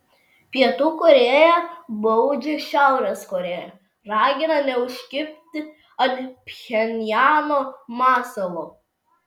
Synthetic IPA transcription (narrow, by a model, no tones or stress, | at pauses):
pʲiɛt̪uːkʊɾʲeːjɛbɐʊd͡ʒʲɪʃʲæˑʊɾʲɛskoɾʲeːjɛ̰ | ɾɑːɡʲɪnɐnʲɛʊʃʲkʲɪpʲt̪ʲɪ | ɐnpʲxʲɛnʲjæːnoːmɑːsolˠoː